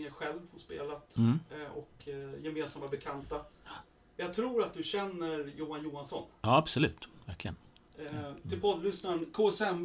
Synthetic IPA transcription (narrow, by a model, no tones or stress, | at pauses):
əɾɧɛlvhɔspḛːlat̪ʔɔ̰kjɛmeːnsamːabɛkʰant̪a | jɑɡ̚t̪ʰɾuːɾat̪̚d̪ɵɕɛnːəɾjuːanjuːansɔnɑːabsɔlʉ̟̰ːt̪væɾklɪɡə̰n | t̪ʰɪlpʰɔd̪lʏsnaənkʰoːɛsɛm